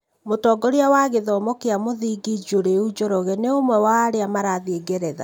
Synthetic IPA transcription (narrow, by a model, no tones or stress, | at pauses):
motɔːɡɔɾeawaɣeðɔmɔkeamoðiɡid͡ʒoɾeud͡ʒɔɾɔɣɛneomwɛwaɾeamaɾaðieɡɛɾɛða̰